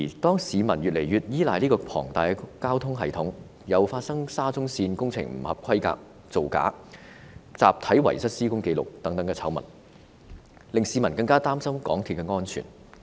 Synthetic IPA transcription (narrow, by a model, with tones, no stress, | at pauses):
i˨˩t̪ɔː˥ŋsiː˨˧mɐ˨˩nɥyː˨t̚le˨˩jɥyː˨t̚jiː˥laː˨˧jliː˥kɔː˧pʰɔ̰ː˨˩ŋt̪aː˨˩jkaː˥wt̪ʰʊ˥ŋɦɐ˨jt̪ʰʊ˨˥ŋ | jɐ˨˧wfaː˧t̚sɐ˥ŋsaː˥t͡sʊ˥ŋsiː˧nkʊ˥ŋt͡sʰɪ̰˨˩ŋm̩̰˨˩hɐ˨p̚kʰɐ˥jka̰ː˧˨k̚ | t͡so˨wka̰ː˨˥ | t͡saː˨p̚t̪ʰɐ˨˥jwɐ̰˨˩jsɐ˥t̚siː˥kʊ˥ŋke˧jlʊ̰˨k̚t̪ɐ˨˥ŋt̪ɐ˨˥ŋkɛː˧t͡sʰɐ̰˨˥wmɐ̰˨˩n | lɪ˨ŋsiː˨˧mɐ˨˩nkɐ˧ŋkaː˥t̪aː˥msɐ˥mkɔ̰ː˨˥ŋt̪ʰiː˨˧t̚kɛ˧ŋɔː˥nt͡ʃʰy̰ː˨˩n